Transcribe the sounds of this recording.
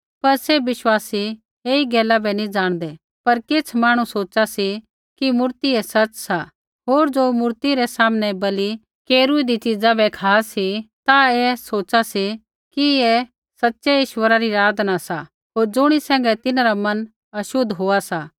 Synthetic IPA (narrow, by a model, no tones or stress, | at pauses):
pɐɾsɛbɪʃwaːsi | eːiɡɛːlabɛnĩd͡ʒaːɽ̃d̪ɛ | pɐɾkɪt͡sʰmaːɽ̃ũsoːt͡ʃasi | kimʊɾt̪iɛsɐt͡ʃsa | ɦoːɾd͡ʒoːmʊɾt̪iɾɛsaːmnɛbɐli | keːɾuid̪it͡ʃɪd͡zãbɛkʰaːsit̪aeːsoːt͡ʃasi | kiɛ | sɐtːʃɛɪʃwəɾaɾiɾaːd̪nasa | ɦoːɾd͡ʒʊɽ̃isɛ̃ːŋɡɛt̪ɪnaɾamɐn | ɐʃʊd̪ɦoːasa